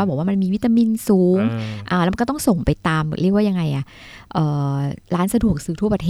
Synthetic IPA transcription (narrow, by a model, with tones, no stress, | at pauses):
aː˥˩bɔ˨˩˦wa˥ma˧nmiː˧wi˦˥t̪aː˧mi˧nsuː˨˩˦ŋʔaː˧˩lːma˧kɔ˥t̪ɔ˥˩ŋso˨˩ŋpa˧jt̪aː˧m˨˩ɾi˥˩ək̚waː˥˩ja˧ŋa˧jʔa˨˩ | ʔɤː˨˩ɾaː˦˥nsa˧du˨˩ək̚sɯː˨˩t̪ʰu˥˩ə˨p̚a˧eː˥